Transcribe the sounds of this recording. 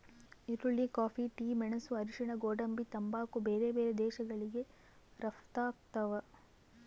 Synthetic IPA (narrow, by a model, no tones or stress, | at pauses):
iɾuɭːikaːpʰiʈiːmɛɳɐsuɐɾiʂɐɳɐɡoːɖɐmbit̪ɐmbaːkubeːɾebeːɾed̪ɛːʃɐɡɐɭiɡe̞ | ɾɐft̪aːk̚t̪ɐʋɐ